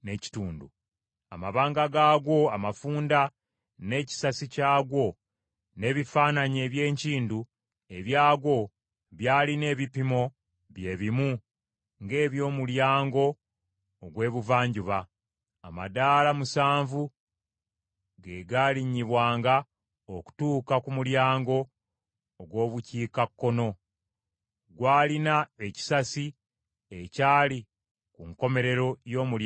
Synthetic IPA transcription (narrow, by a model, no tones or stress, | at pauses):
ne̞ci̥tuːndṵ | a̰maβaːŋɡaɡaːɡo̞amafuːnda | ne̞ːci̥sasicaːɡwo̞ | ne̞ːβifaːnaɲe̞ːβje̞ːɲciːndu | e̞βjaːɡwo̞ | βjaːline̞ːβipimo̞ | βje̞ːβimu | ŋɡe̞ːβjo̞ːmuljaːŋɡo̞ː | ɡwe̞ːβuvaːɲɟuβaː | madaːlamusaːɱvu | ɡeɡaːliɲːiβwaːŋɡa | oku̥tuːkakumuljaːŋɡo̞ː | ɡwo̞ːβuciːkakːo̞no̞ | ɡwaːlinae̞ci̥sasi | ecaːli | kuŋko̞me̞ɾe̞ɾo̞jo̞ːmul